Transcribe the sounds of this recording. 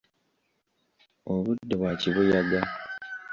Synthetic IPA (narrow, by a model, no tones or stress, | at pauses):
oβudːeβwaːciβujaɡa